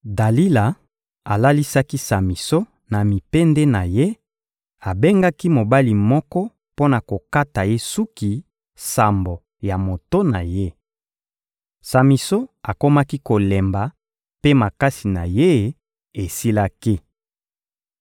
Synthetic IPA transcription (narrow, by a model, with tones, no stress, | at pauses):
da˨li˦la˨ | a˨la˦li˦sa˦ki˦sa˨mi˨so˦ | na˨mi˨pe˦ndɛ˦na˨je˦ | a˨be˦ŋɡa˦ki˦mo˨ba˦li˨mɔ˦kɔ˦ | po˦na˨ko˨ka˦ta˨je˦su˦ki˨ | sa˨mbo˨ | ja˨mo˨to˦na˨je˦ | sa˨mi˨so˦a˨ko˦ma˦ki˦ko˨le˨mba˨ | pe˦ma˨ka˦si˨na̰˨je˦ | e˨si˦la˦ki˦